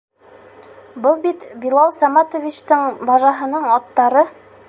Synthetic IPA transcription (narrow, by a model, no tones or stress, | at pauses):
bɤlˠbit̪bilˠɑlˠsɑmɑt̪ŏvʲit͡ɕt̪ɤɴbɑʒɑɦɤ̆nɤɴɑt̪ːɑɾɤ